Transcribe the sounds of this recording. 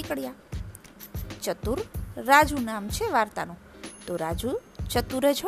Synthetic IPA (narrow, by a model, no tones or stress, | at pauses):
ikɽja | t͡ʃət̪uɾːad͡ʒunamt͡ʃʰeʋaɾt̪a̰nũ | t̪oɾad͡ʒut͡ʃət̪uɾed͡ʒʰo